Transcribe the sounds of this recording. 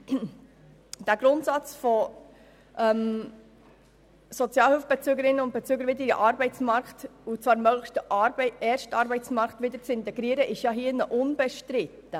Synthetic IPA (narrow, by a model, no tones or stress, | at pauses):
d̪̥æɡ̥ɾʊntsɑt͡sfɔ | ʔɛm | sɔt͡sjɑːlhʏlfb̥ɛt͡syːɡəɾɪnːəʊnt̚bet͡syːɡəɾʋɪdədiʔɑɾbɛɪt͡smɑɾkt̪ut͡svɑːɾmœɡ̥ləʃtəʔɑbɛɾʃtɑːɾbɛɪt͡smɑɾkt̪ʋɪd̪əɾt͡sɪnt̪ɛɡɾiːɾəʔɪʃjɑɦiːnəʔʊnbɛʃtɾɪt̪ːə